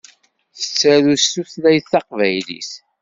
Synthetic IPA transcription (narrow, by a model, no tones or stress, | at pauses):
θə̥t͡sːæɾusuθlæjθθɑqvæjlḭs